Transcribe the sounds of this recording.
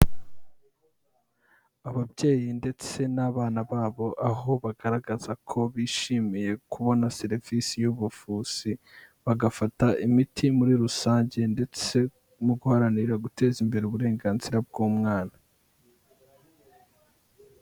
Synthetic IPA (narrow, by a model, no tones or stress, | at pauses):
aβabɟe̞ːjinde̞t͡se̞naːβaːnaβaːβo̞ʔaɦo̞βaɡaɾaɡazakʰo̞βiːʃiːmije̞kuβo̞naseɾivisijuβufuːz̥i | βaɡafataʔimitʰimuɾiɾusaːɲɟe̞nde̞t͡se̞ | muɡuhaɾaniɾaɡute̞ːzimbe̞ɾeuβuɾe̞ːŋɡaːnziɾab̚ɡuːmŋaːna